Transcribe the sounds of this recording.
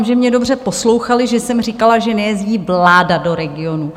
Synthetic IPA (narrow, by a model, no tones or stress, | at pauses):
mʒɛmɲɛdo̞br̝ɛpo̞slo̞wxalɪʒɛsɛmr̝ikalaʒɛnɛjɛzɟiːvlaːdado̞ɾɛɡɪo̞nu